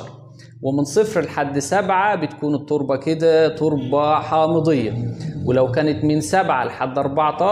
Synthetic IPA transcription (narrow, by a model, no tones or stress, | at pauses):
ɾˤ | wɪmɪnsˤɨfɾɪlħad̪ːsabʕabɪt̪kuːnɨt̪ˤːʊɾbɑkɪd̪æt̪ˤːʊɾbɑħɑːmɨd̪ˤɨjːɑ̰wɪlæwkæːnɪt̪mɪnsabʕalħad̪ːʔɑɾˤbɑʕt̪ˤɑː